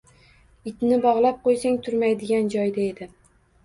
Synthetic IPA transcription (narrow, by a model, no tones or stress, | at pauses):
ɪt̪nɪbɒʁlˠap̚qʰojsaŋt̪ʰʊɾmajd̪ɪɡʲand͡ʒɒjd̪ae̞d̪ɪ